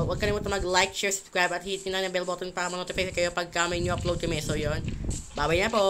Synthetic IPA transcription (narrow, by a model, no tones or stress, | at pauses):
wɐɡ̚kɐnɐmot̪ɐmɐɡlajk̚t͡ʃɛɹsʊ̥bskɾɹajbɐt̪hiːt̪inɐnɐbɛlbot̪ɛnpakɐmɐnot̪ɪfaskɐjopɐɡ̚kamɐɪɲːoɐplowd̪̚kɐmɛsojonbaːbɐjɲapo